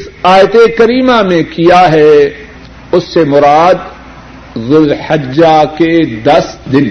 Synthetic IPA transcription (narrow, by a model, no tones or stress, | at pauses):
ɪsaːjt̪ekɐɾiːmamẽkijaɦɛ | ʊsːemʊɾaːd̪ | zʊlħɐd͡ʒaked̪ɐsd̪ɪn